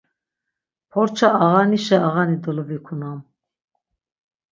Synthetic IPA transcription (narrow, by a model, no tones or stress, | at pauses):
pʰɔɾt͡ʃʰaaʁaniʃɛːʁanid̪əluvikʰunam